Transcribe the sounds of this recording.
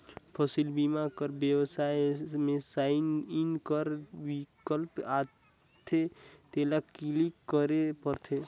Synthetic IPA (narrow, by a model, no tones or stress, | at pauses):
pʰəsilbimakəɾbjəwsajmẽsaɪninkəɾwikəlpa | t̪ʰet̪elakilikːəɾepəɾt̪ʰe